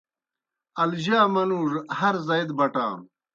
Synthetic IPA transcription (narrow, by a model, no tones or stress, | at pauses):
ɐlʑaːmɐnuːʐhɐɾzɐed̪bɐʈa̰ːm